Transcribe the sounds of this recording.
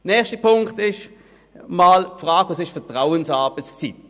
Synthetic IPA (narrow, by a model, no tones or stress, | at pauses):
nɛːχʃtipʰʊŋktɪʃ | maːlfʁaːɡɑsɪʃfɛɐtʁaʊənsɑːbəst͡sit